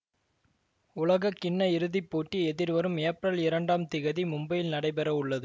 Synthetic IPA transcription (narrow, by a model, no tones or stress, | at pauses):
ʊlɐɣɐkːɪɳːɐɪɾɯðɪpːoːʈːiɛðɪɾʋɐɾɯmeːpɾɐlɪɾɐɳɖaːmt̪ɪɣɐðimʊmbɐjɪlnɐɽɐɪpɛɾɐʊɭːɐðɯ